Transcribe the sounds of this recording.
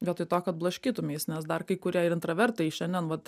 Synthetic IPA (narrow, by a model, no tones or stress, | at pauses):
jʲɛt̪ɪt̪oːkɐt̪̚blˠɐʃʲkʲiːt̪ʊmʲeːsnʲɛsd̪ɐrkɐɪkʊɾʲiɛɪɾɪnt̪ɾɐʋʲɛɾt̪ɐɪʃʲɛnd̪ʲɛnʋɐt̪